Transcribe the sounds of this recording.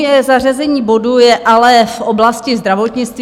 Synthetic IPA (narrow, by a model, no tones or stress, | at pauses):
ɛzar̝azɛɲiːbo̞dujɛʔalɛfʔo̞blascɪzd̪ɾavo̞t̪ɲɪt͡st̪v